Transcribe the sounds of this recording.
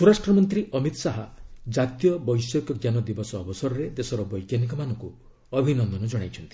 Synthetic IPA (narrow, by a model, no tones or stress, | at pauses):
suɾasʈɾɔmɔnt̪ɾiʔɔmit̪ɔsaɦad͡ʒat̪ijɔbɔjsjɔkɔɡjanɔd̪ibɔsɔːbɔsɔɾɔɾed̪esɔɾɔbɔjkjanik̬ɔmanɔŋku | ɔbʱinɔnd̪ɔnɔd͡ʒɔɽ̃ajt͡ʃʰɔnt̪i̥